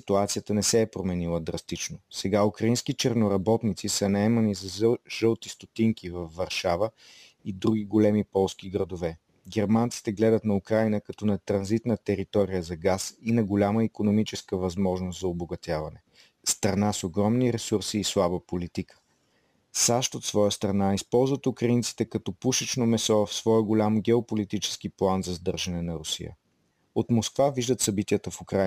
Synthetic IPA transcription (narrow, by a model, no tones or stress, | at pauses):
sit̪uat̪sijət̪ənɛsɛːpɾomɛnilˠəd̪ɾɐst̪it͡ʃnosɛɡaukɾɐinskit͡ʃɛɾnoɾɐbɔt̪nit̪sisənɐɛmɐnizɐʒɤlˠt̪ist̪ot̪iŋkivɐfːɐɾʃavə | id̪ɾuɡ̟iɡolɛmipɔlˠskiɡɾɐd̪ovɛ | ɡɛɾmant̪si̥t̪ɛɡlɛd̪ət̪nɐukɾajnəkɐt̪ɔnɐt̪ɾɐnzit̪nət̪ɛɾit̪ɔɾijəzɐɡasinɐɡolʲaməikonomit͡ʃɛskəvɐzmɔʒnoszɐoboɡɐt̪ʲjavɐnɛ | st̪ɾɐnasoɡɾɔmniɾɛsuɾsiːslˠabəpolit̪ikʰə̥ | saʃt̪ot̪svɔjəst̪ɾɐnaispɔlˠzvət̪ʊkɾɐint̪si̥t̪ɛkɐt̪ɔpuʃit͡ʃnomɛsɔvɐfsvɔɛɡolʲamɡʲɛopolit̪it͡ʃɛ̥skiplˠanzɐzd̪ɤɾʒɐnɛnɐɾʊsḭjə̰ | ot̪moskvaviʒd̪ət̪sɐbit̪iət̪əfukɾa